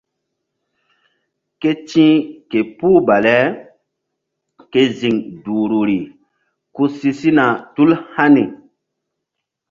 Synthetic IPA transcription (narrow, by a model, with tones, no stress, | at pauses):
ke˦t͡ʃĩ˦ke˨puː˦ba˨lɛ˦ | ke˦zi˨ŋdu˨ɾu˨ɾi˨ | ku˦si˦si˦na˨tu˦lha˦ni˨